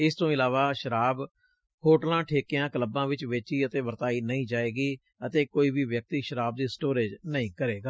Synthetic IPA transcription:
ɪst̪õːɪlaːʋaːʃəɾaːb | hoːʈəlãːʈʰeːkɪjãːkələbãːʋɪt͡ʃʋeːt͡ʃiːət̪eːʋəɾt̪aːiːnəĩːd͡ʒaːeːɡiː | ət̪eːkoːiːbiːʋjək̚t̪iːʃəɾaːb̚d̪iːsʈoːɾeːd͡ʒnəĩːkəɾeːɡaː

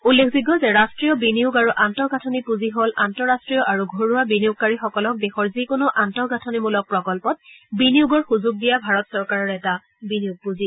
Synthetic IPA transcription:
ulːekʰziɡɔzɛɹastɹijɔbinijʊɡaɹuʔantɔɡʱatʰɔnipuziɦolʔantɔɹastɹijɔʔaɹuɡʱoɹuabinijuɡ̚kaɹixɔkɔlɔk̚bɛxɔɹzikʊnʊʔantɔɡatʰɔnimulɔk̚pɹɔkɔlpɔt̚biniuɡɔɹxuzʊɡ̚dijabʱaɹɔtsɔɹkaɹɔɹɛta | binijuɡ̚puzi

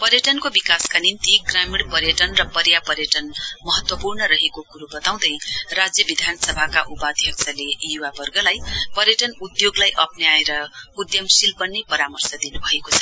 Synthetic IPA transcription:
pʌɾjʌʈʌnkobikaskanint̪iɡramiɽpʌɾjʌʈʌnrʌpʌɾjapʌɾjʌʈʌnmʌɦʌt̪wʌpurnʌɾʌɦekokuɾubʌt̪aw̃d̪ʌjrad͡zjʌbid̪ʱanʌsʌbʱakaʔupad̪ʱjʌk̚t͡sʰalejuwabʌrɡʌlajpʌɾjʌʈʌnud̪joɡlajʔʌpnjaeɾʌud̪jʌmsilpʌnːepʌɾamʌrsʌd̪inubʱʌekot͡sʰʌ

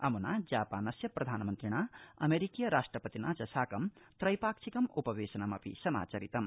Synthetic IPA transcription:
ɐmunad͡zaːpanʌsjprʌd̪ʱanmʌnt̪ɾiɽ̃aʌ̰meɾikijʌɾasʈrʌpʌt̪inat͡sɐsaːkʌmt̪rʌjpaksʰikʌmupɐʋesɐnamɐpḭsʌma̰ːt͡sɐɾit̪ɐm

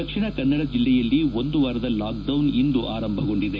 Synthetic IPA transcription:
ɐkʂiɳɐkɐnːɐɽɐd͡ʒilːɛjɐlːiond̪uʋaːɾɐd̪ɐlaːk̚ɖɐwnind̪uʔaːɾɐmbʱɐɡo̞ɳɖid̪e

